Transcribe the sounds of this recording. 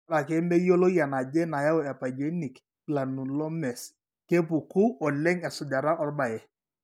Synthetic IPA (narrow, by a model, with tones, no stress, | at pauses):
la˨ke˦mbe˦jo˦lo˦ja˨na˨d͡ʒɛ˦na˨ja˦o˨ɛ˨pa˨d͡ʒe˨˦ni˨k | la˨nu˨lɔ˦mɛ˨s | ke˦p̬u˨ku˦ɔ˨lɛ˦ŋɛ˨sʊ˨da˨ɾa˦ʔɔ˦rba˨jɛ˨